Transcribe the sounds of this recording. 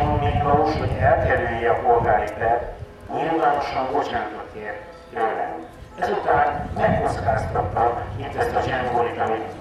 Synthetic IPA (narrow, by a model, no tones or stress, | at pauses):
milʋɒloʃho̞ɟɛlkɛɾyjɛɒpo̞lɡaːɾip̪ɛt̪ | ɲilvaːno̞ʃɒŋbo̞t͡ʃaːnt̪ot̪eːr | j̪øːlɛ̰nɛzut̪aːnmɛkːo̞t̪skaːst̪ɒt̪ːɒbit̪ɛzɒʒɛmboɾit̪ɒmi